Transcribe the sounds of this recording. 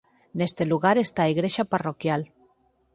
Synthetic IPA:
nest̪eluɣaɾest̪aiɣɾeʃaparokjal

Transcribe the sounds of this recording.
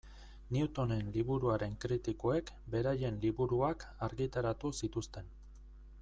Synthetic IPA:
niut̪o̞ne̞nliβuɾuaɾe̞ŋkɾit̪iko̞e̞k | be̞ɾaje̞nliβuɾuakaɾɣit̪aɾat̪usit̪ust̪e̞n

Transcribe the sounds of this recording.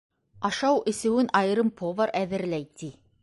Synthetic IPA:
ɑʃɑwʔɘ̆sɘ̆wɘnʔɑjɤɾɤmpʰovəɾʔæðɘ̆ɾlæjt̪i

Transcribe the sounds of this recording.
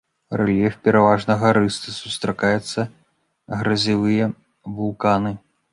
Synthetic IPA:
rɛlʲɛfpʲɛɾavaʐnɐɣɐɾɨst̪ɐsust̪ɾɐkajut̪sːɐ | ɣɾɐzʲivɨjɛ | vulˠkanɨ

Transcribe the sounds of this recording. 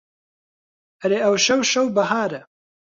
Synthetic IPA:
ɐɾeːɐwʃɐwʃɐwbɐɦaːɾɛ

